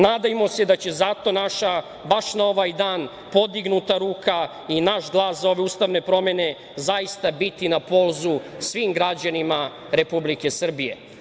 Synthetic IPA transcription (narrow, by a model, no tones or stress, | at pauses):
naːd̪ajmo̞se̞d̪at͡ɕe̞zat̪o̞naʃa | baʃnao̞ʋajd̪aːn | po̞d̪iɡnut̪aɾuːka | inaʃɡlˠaːszao̞ʋe̞uːst̪aʋne̞pɾo̞me̞ne̞ | zajist̪abit̪inapo̞lˠzusʋiːmɡɾad͡ʑanima | ɾe̞publike̞sr̩bije̞̰